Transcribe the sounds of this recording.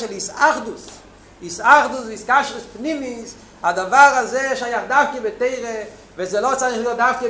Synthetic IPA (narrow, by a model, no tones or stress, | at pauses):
ʃɛlɪsaχdʊs | ɪsaχdʊs̬viːskaʃʁəspnimis | adavaʁazeɪʃajaχdafkəbɪteɪʁə | vɛszelˠɔt͡sanɪχjɔdafkə